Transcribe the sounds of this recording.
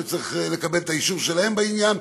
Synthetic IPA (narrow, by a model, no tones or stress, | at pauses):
et͡siχle̞kabelt̪aiʃuʁʃelahe̞mbainjan